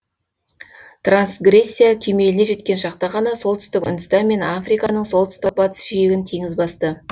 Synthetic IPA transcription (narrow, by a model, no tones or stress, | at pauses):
t̪ransɡre̞sʲːijakʲʰe̞me̞lɪneʒe̞t̪kʲe̞nʃɑqt̪ɑʁɑnɑso̞lˠt̪ʏ̥st̪ɪkʊ̰nd̪əst̪ɑnme̞nafrijkɑnəɴso̞lˠt̪ʏ̥st̪ɪk̚bɑt̪ə̥sʒijɪɡʲɪnt̪ʰeŋɪzbɑst̪ə